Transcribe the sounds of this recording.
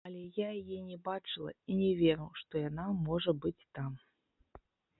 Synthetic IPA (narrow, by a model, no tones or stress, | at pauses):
ɐlʲɛjajajɛnʲɛbat͡ʂɨlˠɐ̰inʲɛvʲɛɾɐwʂt̪ɔjanamɔʐɐbɨt͡sʲt̪am